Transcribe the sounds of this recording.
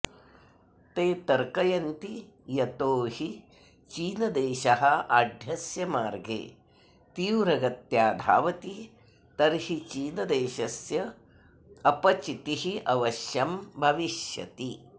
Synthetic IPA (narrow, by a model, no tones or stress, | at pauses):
t̪eːt̪ɐɾkɐjɐnt̪ijɐt̪oːhi | t͡ʃiːnɐd̪eːʃɐɦɐaːd̪ʱjɐsjɐmaːɾɡḛː | t̪iːwɾɐɡɐt̪jaːd̪ʱa̰ːʋɐt̪i | t̪ɐɾhit͡ʃiːnɐd̪eːʃɐsjɐ | ɐpɐt͡ʃit̪ihiʔɐʋɐʃjɐmbʱɐʋiʃjɐ̰t̪i